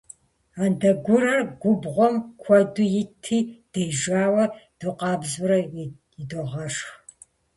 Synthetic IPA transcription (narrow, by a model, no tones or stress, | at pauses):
aːndɐɡʷʊɾɐrɡʷʊbʁʷɔmkʷʰɐdʊjɪtʰiːd̥ejʒaːwɐd̥oqɑːbzʊɾɐ | jɪdoʁɐʂx